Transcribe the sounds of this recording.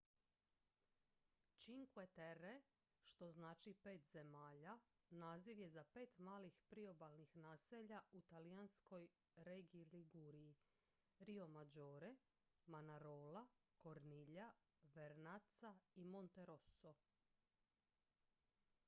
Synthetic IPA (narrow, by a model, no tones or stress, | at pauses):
t͡ʃiŋkuet̪eɾe | ʃt̪oznaːt͡ʃipe̞ːt̪ze̞maːʎa | naːziʋje̞zape̞ːt̪maːlixpɾio̞balˠnixnaːseʎaut̪aliansko̞j | ɾeɡiliɡuɾii | ɾio̞mad͡ʒoːɾe | manaɾoːlako̞ɾniʎa | ʋeɾnat̪saimo̞nt̪eɾo̞so